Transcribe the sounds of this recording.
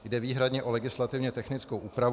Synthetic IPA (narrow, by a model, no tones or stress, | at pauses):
jdɛviːɦɾadɲɛʔo̞lɛɡɪslat̪ɪvɲɛt̪ɛxnɪt͡skowʔuːpɾav